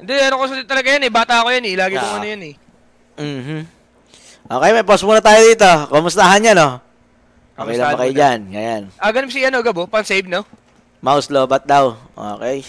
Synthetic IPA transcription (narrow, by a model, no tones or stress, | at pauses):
nd̪ɛɐnokosɐd̪ɪt̪ɐlɐɡɐjɐnɛbaːt̪ɐɐkojɐnɛlaːɡɪkkmuːnɐjɐnɛ | m̩ːm̩ | ʔoːkɛjmɐjposmuːnɐt̪aːjod̪iːt̪o̞komʊst̪aɦɐnɲano̞ | ʔoo̰kɛjlɐbɐkɐjʊd͡ʒanŋɐjanʔɐɡɐnms̬iʔɐnoɡɐbopɐŋsejvno | mɐʔʊsloːbɐt̪̚d̪awʔo̰ːkɛj